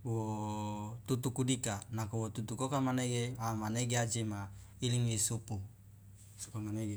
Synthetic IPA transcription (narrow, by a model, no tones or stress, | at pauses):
wo | t̪ut̪̬ukudikanakowot̪ut̪ukokamaneɡeamaneɡead͡ʒema | iliŋwisupu | su̥kamaneɡe